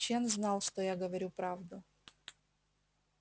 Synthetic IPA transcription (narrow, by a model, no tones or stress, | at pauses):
t͡ɕenznɑlˠʂt̪ojaɡəvɐɾʲupɾavd̪ʊ